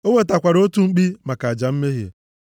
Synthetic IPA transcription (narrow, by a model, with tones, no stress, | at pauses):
o˦ŋe˦ta˨kʷa˨ɾo˦tu˦ŋ͡m̩˦k͡pi˦ma˨ka˨a˨d͡ʒa˨m̩˦me˦ɦjḛ˨